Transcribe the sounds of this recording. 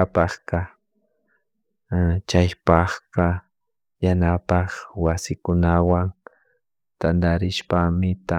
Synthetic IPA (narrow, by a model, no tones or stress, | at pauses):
apɑχqɑ | t͡ʃajpɑχqɑ | janapɑχwasɪkʊnawaŋ | t̪and̪aɾɪʃpamɪt̪a